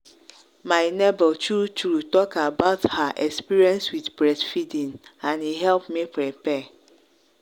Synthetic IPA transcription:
mãɪnɛbɛltʰutʰutɔkʰabaʊthaʔɛkspiɹiɛ̃nswitbɹɛdfidĩnãniɦɛlpmĩpʰɾɛpɛ

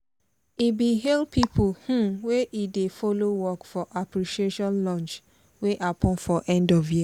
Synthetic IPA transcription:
ibiɦɛlpipʰulhũweʔidefolowɔkfɔʔapɾiʃieʃɔ̃nlɔ̃nt͡ʃ | weʔapʰɔ̃nfɔʔɛ̃ndɔvji

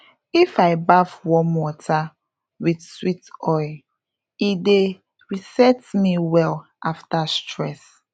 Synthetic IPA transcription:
ifaɪbavwɔ̃nwɔtʰa | widswitɔɪl | ide | ɹisɛtmiwɛl | aftastɹɛs

